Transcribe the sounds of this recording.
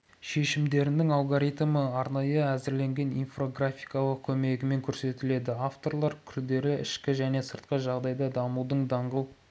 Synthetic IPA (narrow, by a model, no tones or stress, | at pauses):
ʃe̞ʃɪmd̪e̞ɾɪnd̪ɪŋɑlˠɡoɾijt̪məɑɾnɑjəæzɪɾle̞ŋɡʲe̞nijnfro̞ɡrafʲijkɑlˠəq̚kʲʰɵme̞ɡʲɪme̞ŋkʲʰɵɾse̞t̪ɪle̞d̪ɪaft̪o̞ɾlˠɑɾkʲʰʏɾd̪e̞ɾɪʔɪ̰ʃkʲɪʒæne̞səɾt̪̚qəʒɑʁd̪ɑjd̪ɑd̪ɑmud̪əɴd̪ɑɴʁəlˠ